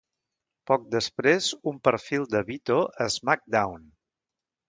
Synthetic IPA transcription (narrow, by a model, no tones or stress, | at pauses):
pɔk̚d̪əspɾezumpəɾfilˠd̪əβit̪oʔəzmak̚d̪awn